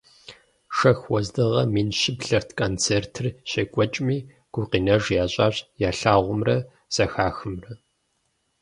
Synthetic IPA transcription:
ʂɐxwɔzdɨʁɐmiːnʃɪbɬɐrtʰkʰʼoːnt͡sʰeːrtʰɨrɕeːkʷʼɔt͡ʃʼmiː | ɡ̥ʷuqiːnɐʐjaːɕʼaːɕjaːɬaːʁʷʊmrɐ | z̥ɐxaːxɨmrɐ

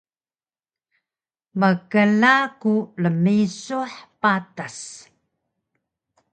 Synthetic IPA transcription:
məkəlakuləmisuħpatas

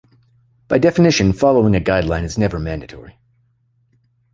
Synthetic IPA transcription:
b̥aɪdɛfɨnɪʃɨ̃nfɑlˠoʊɪ̃ŋɨɡaɪdˡlãɪ̃nɨznɛvə˞mæ̃ndɨtʰɔ̰ɹi

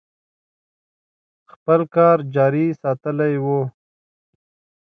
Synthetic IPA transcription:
xpəlkɑːɾd͡ʒɑːɾisɑːt̪əlajwo

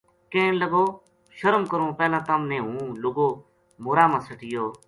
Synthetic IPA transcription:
kẽːnləɡoː | ʃəɾəmkəɾõːpɛːlãːt̪əmnẽːɦũːlʊɡoː | moːɾaːmãːsəʈɪjoː

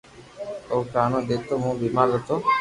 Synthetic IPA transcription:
oːkaːnõːɗ̪eːt̪oːmũːbiːmaːɾzət̪oː

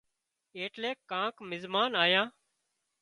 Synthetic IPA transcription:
eːʈleːkːãːkmɪzmaːnaːjãː

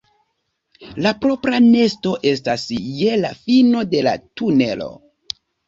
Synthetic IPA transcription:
lapɾo̞pɾane̞sto̞ʔe̞stasje̞lafino̞de̞la̰tune̞lo̞̰

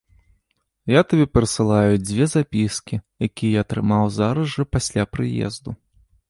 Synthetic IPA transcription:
jat̪abʲɛpʲɛɾɐsɨlˠajud͡zʲvʲɛzapʲiskʲijakʲijɛjat̪ɾɨmawzaɾɐʐɨpasʲlʲapɾɨjɛ̰zd̪u

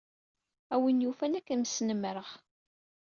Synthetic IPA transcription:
æwənjufænækːæmsnəmɾəʁ

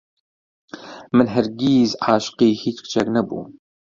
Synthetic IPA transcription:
mənɦəɾɡiːzʕaːʃqiːhit̪kt͡ʃæɡnæbṵm

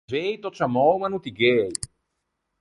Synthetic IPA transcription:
eːjt̪ɔt̪samoːmanut̪iɡɛːj

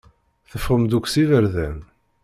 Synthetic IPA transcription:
θəfʁəmd̪ukʷːsiðəɾðæn

